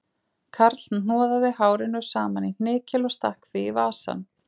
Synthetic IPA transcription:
kʰaɾt̪ln̥ɔːðaðɪɦaːwɾɪnʏsaːmanin̥ɪːcɪlɔst̪ahkθvɪːvaːsa̰n

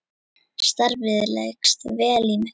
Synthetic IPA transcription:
st̪aɾvɪðʏlḛjkst̪vɛːliːmʏ

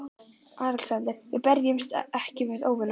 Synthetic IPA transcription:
aːɾɛlsant̪ɪɾvɪpɛɾjɪmst̪ɛhcɪvɪðoːwvɪna

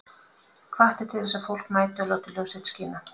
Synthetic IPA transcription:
kʰvaht̪ɪ̥t̪ʰɪlθɛsːafowl̥kmaːjt̪ʏɔloːwt̪ɪlœwsɛt̪sciːna

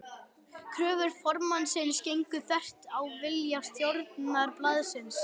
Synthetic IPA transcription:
kʰɾœːvʏɾ̥fɔɾmansɪnscejŋkʏθɛr̥t̪awvɪljast̪jowɾt̪naɾplaðsɪns

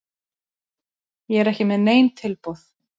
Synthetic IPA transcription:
jɛɛɾɛhcɪmɛðneːjmt̪ʰɪlpɔθ

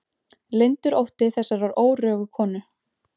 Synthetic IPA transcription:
lejnt̪ʏɾowht̪ɪθɛsːaɾvaɾoːwrœːɣʏkʰɔːnʏ

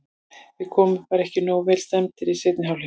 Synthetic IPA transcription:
vɪkʰɔːmʏvaɾɛhcɪnoːwvɛːlst̪ɛmt̪ɪɾiseːt̪nɪɦawl

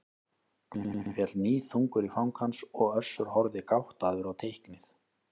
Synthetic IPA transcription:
k̪fjɛt̪lniːθuŋkʏɾifawŋkhansɔɣœ̥sːʏɾ̥hɔɾðɪkawht̪aðʏɾawt̪ʰejhknɪθ

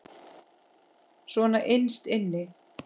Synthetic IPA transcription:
svɔnaʔejnst̪ɪnːɪ

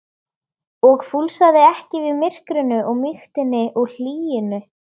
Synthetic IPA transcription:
ɔɣfulsaðɪɛhcɪvɪðmɪr̥kɾʏnːʏʔɔɣmixt̪ɪnːɪʔɔɣl̥iːjɪnʏ

